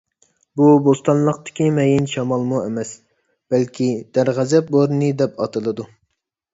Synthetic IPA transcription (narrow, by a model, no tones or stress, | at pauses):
bubost̪ɑnlˠəqt̪ɪ̥kʲimɛjinʃɑmɑlˠmuemɛs | b̥ɛlkʲʰid̪̥æɾʁæzɛp̚boɾnɨd̪ɛpɑt̪ʰɨlˠɨd̪u